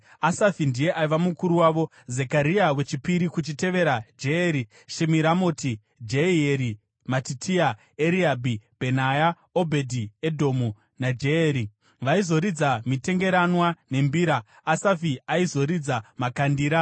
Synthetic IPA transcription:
asafindije̞ʔaiʋamukuɾuwaʋo̞ | ze̞kaɾiawe̞t͡ʃipiɾikut͡ʃite̞ʋe̞ɾad͡ʒeeːɾi | ʃemiɾamoti | d͡ʒeieɾi | matitʰia | eɾiabʱib̥ʱe̞naja | obʱedʱiedʱo̞mu | nad͡ʒeeɾi | ʋaizo̞ɾid͡zamite̞ŋɡe̞ɾanwane̞mbiːɾaː | safiaizo̞ɾid͡zamakandiːɾa

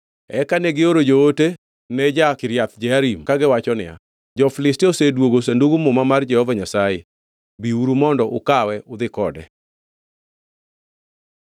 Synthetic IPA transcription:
ɛkaneɡɪoɾod͡ʒoote | nɛd͡ʒakɪɾjat̪̚d͡ʒɛaɾimkaɡɪwat͡ʃɔnɪ̰a̰ | d͡ʒɔfɪlɪstiosedwoɡos̬enduɡumomamard͡ʒɛhɔvaɲasaje | biuɾumɔndɔʔʊkawɛʊd̪ɪkɔdɛ̰

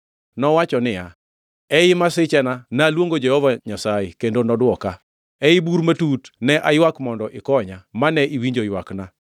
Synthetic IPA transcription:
nɔwat͡ʃɔnɪja | ɛɪmasɪt͡ʃɛnanaːlwoŋɡod͡ʒɛhɔvaɲasaekendonɔdwɔka | ɛibuɾmatutnɛʔajwakmɔndɔʔɪkɔɲamanɛʔiwiɲd͡ʒojwakna

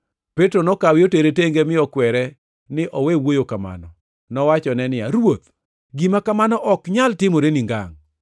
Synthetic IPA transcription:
petɾonɔkawɪoteɾeteŋɡemɪɔkwɛɾɛ | nɪʔɔwewojokama̰nɔ̰ | nɔwat͡ʃɔnɛnɪjaɾwot̪̚ | ɡimakamanɔʔɔkɲaltɪmoɾeniŋɡa̰ŋ

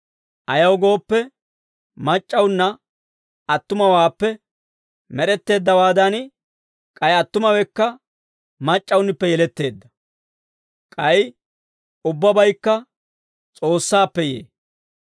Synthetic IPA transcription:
ʔɐjɐwɡo̞ːpːɛ | mɐt͡ʃʼːɐwnːɐ | ɐt̪ːʊmɐwaːpːɛ | mɛɾɛt̪ːe̞ːd̪ːɐwaːd̪ɐn | kʼɐjɐt̪ːʊmɐwɛkːɐ | mɐt͡ʃʼːɐwʊnːɪpːɛjɛlɛt̪ːe̞ːd̪ːɐ | kʼɐj | ʊbːɐbɐjkːɐ | t͡sʼo̞ːsːaːpːɛjḛː

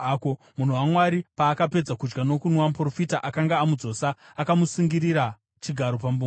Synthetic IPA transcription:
ko | mun̤uwamwaɾipaːkape̞d͡zakud͡ʒɡano̞kunwampro̞fitaʔakaŋɡaːmud͡zo̞ːsaːkamusiŋɡiɾiɾa | t͡ʃiɡʱaɾo̞pambu

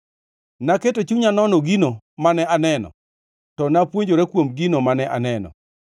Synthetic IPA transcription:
naketot͡ʃuɲanɔnɔɡino | manɛanɛnɔ̰ | tɔnapwoɲd͡ʒoɾɛkwomɡinomanɛʔanɛnɔ̰

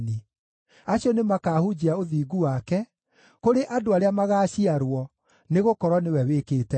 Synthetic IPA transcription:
ni | aɕjɔnemakaːhud͡ʑiaoðiːɡuwakɛ | koɾeʔadoaɾeamaɣaːɕiaɾwɔ | neɣokɔɾwɔnewɛwekeːtɛ

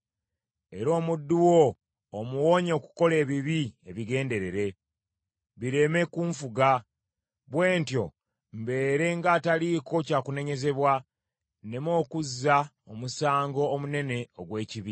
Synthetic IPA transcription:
e̞ɾo̞ːmudːuwoː | muwo̞ːɲo̞ːku̥ko̞le̞ːβiβieβiɡe̞ːnde̞ɾe̞ɾe̞ | βiɾe̞me̞kuɱfuɡa | βwe̞ːntjo̞̰ | mbe̞ːɾe̞ŋɡaːtaliːko̞caːkune̞ɲe̞ze̞βwa | ne̞mo̞ːkuzːa | omusaːŋɡo̞ːmune̞ne̞oɡwe̞ːciβi

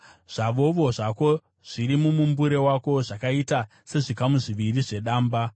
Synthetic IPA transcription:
ʐ̥aʋo̞ʋo̞ʐako̞ | ʐ̥iɾimumumbuɾe̞wako̞ʐakaita | se̞ʐikamuʐiʋiriʐe̞ɗaːmba

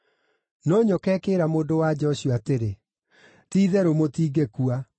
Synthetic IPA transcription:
nɔɲɔkɛkeːɾamoːndowad͡ʑɔɕioateɾe | tiːðɛɾomotiːɡekua

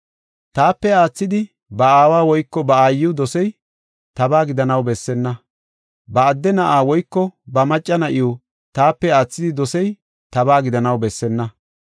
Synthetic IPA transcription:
t̪aːpːɛaːt͡sːɪd̪ɪ | bɐaːwaːwɔjkːɔbɐaːjːɪwd̪ɔsɛj | t̪ɐbaːɡɪd̪ɐnɐwbɛsːɛnːɐ | bɐːd̪ːɛnɐʔaːwɔjkːɔbɐmɐt͡ʃʼːɐnɐʔɪu | t̪aːpːɛaːt͡sːɪd̪ɪd̪ɔsɛj | t̪ɐbaːɡɪd̪ɐnɐwbɛsːɛnːɐ

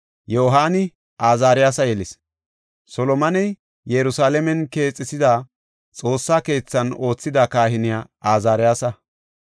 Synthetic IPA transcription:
joːɦaːnɪ | ʔaːzaːɾɪjaːsɐjɛlɪs | sɔlɔmɐnɛj | jɛɾʊsaːlɛmɛnke̞ːt͡sʼːɪsɪd̪aː | t͡sʼo̞ːsːaːke̞ːt͡sːɐno̞ːt͡sːɪd̪akaːhɪnɪjaː | aːzaːɾɪjaːsɐ

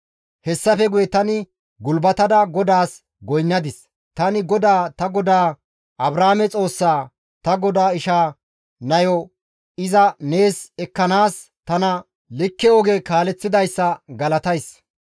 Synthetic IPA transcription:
hɛsːɐfɛɡʊjɛt̪ɐnɪ | ɡʊlbɐt̪ɐd̪ɐɡɔd̪aːs | ɡɔjnːɐd̪ɪs | t̪ɐnɪɡɔd̪aːt̪ɐɡɔd̪aː | ʔɐbɾaːmɛt͡sʼo̞ːsːaː | t̪ɐɡɔd̪aːɪʃaː | nɐjɔ | ɪzɐne̞ːsɛkːɐnaːs | t̪ɐnɐ | lɪkːɛɔɡekaːlɛt͡sːɪd̪ɐjsːɐɡɐlɐt̪ɐjs

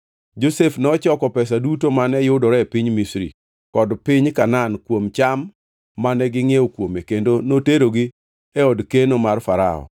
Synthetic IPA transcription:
d͡ʒosefnɔt͡ʃɔkɔpɛs̬adutomanɛjʊdɔɾɛpiɲmisɾḭ | kɔdpɪɲkanankwomt͡ʃamː | anɛɡɪŋeokwomekendonoteɾoɡi | eɔdkenomarfaɾa̰ɔ̰

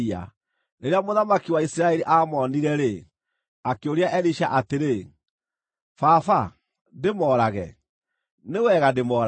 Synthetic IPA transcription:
a̰ | neɾeamoðamakiwaisiɾaɛɾiʔamɔniɾɛɾe | akeoɾiaʔɛɾiʃaʔateɾe | faːfa | demɔːɾaɣɛ̰ | newɛɣademɔːɾ

